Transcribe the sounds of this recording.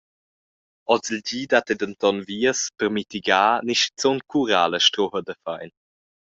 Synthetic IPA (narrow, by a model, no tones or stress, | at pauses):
ɔt͡səlɟiːdatedəntɔnviəspəɾmitiɡaːniʃt͡sonkʰuɾaːləʃtɾɔhədəfajn